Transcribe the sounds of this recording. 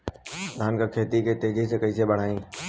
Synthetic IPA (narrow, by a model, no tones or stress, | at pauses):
d̪ʱaːnkakʰeːt̪iket̪eːd͡ʒʱisekɐisebəɽ̤aːĩ